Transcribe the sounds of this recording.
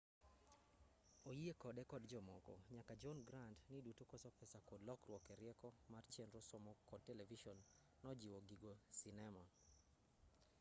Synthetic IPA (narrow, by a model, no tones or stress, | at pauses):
ojiekɔdɛkɔdd͡ʒɔmɔkɔ̰ɲakad͡ʒɔnɡɾandnidutokɔsɔpɛsakodlɔkrwɔkɛɾjɛkɔmart͡ʃenɾɔsɔmɔkɔd̚tɛlɛviʃɔnː | ɔd͡ʒiwoɡiɡosinɛma